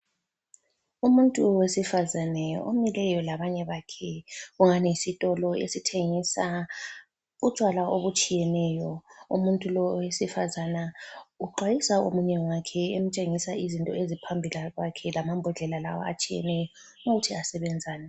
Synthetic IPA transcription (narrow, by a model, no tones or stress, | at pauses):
umuntʼuwesifazanɛo̰milɛjɔlaβaɲɛβakʰɛɣuŋanijisitʼɔlɔḛsitʰeŋisa | ut͡ʃʼwalaoβut͡ʃʼijɛnɛjɔṵmuntʼulɔwesifazanauǃwajisaomuɲɛwakʰɛem̩t͡ʃʼeŋisaizintʼɔezipʰambʱilaɣwakʰɛlamambʱɔɮɛlala̰wɔ̰a̰t͡ʃʼijɛ̰nɛjɔ | uɣutʰiasɛβɛnd͡zʱaːna